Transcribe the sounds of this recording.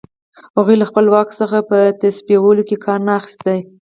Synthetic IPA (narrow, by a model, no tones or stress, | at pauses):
haɣujlaxpəlwɑksəxapət̪aspijawəlokekʰɑɾnaːxɪ̥st̪aj